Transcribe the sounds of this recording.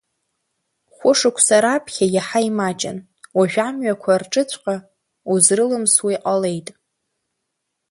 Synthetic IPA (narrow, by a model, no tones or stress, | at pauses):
χʷʊʂɨkʷʰsaɾapʰχʲajaħaimat͡ʃʼɪ̰n | waʒᶣʷamɥakʷʰarʈ͡ʂʼɨt͡ɕʷʰqʼa | uzrɨlɨmswiqʼale̞jtʼ